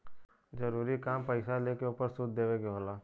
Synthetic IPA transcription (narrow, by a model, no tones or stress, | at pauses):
d͡ʒəɾuːɾikaːmpəɪsaleːkeuːpəɾsʊd̪̚d̪eːʋekeɦoːlaː